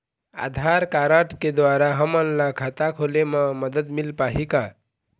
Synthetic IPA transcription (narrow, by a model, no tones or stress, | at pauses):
a̰d̪ʱaɾkaɾəʈked̪waɾaɦəmənlakʰat̪akʰoleməməd̪əd̪milpaɦika